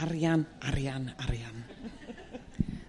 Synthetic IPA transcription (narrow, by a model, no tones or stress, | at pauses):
aɾjanaɾjanaɾjan